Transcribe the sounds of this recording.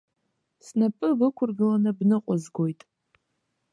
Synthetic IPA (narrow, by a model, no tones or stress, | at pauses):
snapʼɨbɨkʷʰʊrɡɨlanɨbnɨqʷʼʊzɡojtʼ